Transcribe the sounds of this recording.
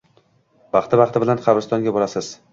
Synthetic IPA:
bɑχt̪ʰɪbɑχt̪ɪbɪlanqʰɑbɾɪst̪ɒŋɡʲabɒɾasɪz̥

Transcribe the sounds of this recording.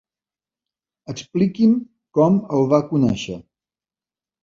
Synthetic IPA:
əksplikim | kɔməlˠβakunɛʃə

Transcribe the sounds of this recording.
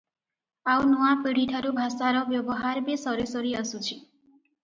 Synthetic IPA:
awnuwapiɽ̤iʈʰaɾubʱasaɾɔbjɔbɔɦaɾbesɔɾesɔɾiəsut͡ʃʰi

